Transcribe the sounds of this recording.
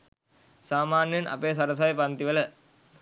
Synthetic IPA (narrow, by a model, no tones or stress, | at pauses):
saːmaːnjɐnʔɐ̰peːs̬ɐɾəs̬ajpɐnt̪iʋələ